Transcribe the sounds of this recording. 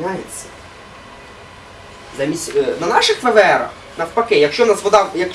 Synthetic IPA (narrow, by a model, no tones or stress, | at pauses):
ajɪt͡sʲːɐ̥ | zɐmʲisʲnɐnaʂɨxt̪ɾɐʋɛɾɐ̰x | nɐfpɐkejɐkʃt͡ʃɔnasʋɔd̪ajɐk